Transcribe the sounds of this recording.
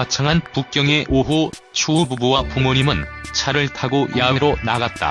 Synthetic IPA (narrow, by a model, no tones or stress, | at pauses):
at͡ɕʰaŋɦanpuk̚k͈jʌŋe̞ʔoɦu | t͡ɕʰuːbubuwapumuɲimɯnt͡ɕʰaɾɯɭtʰaɡojaweɾonaɡat̚t͈a̰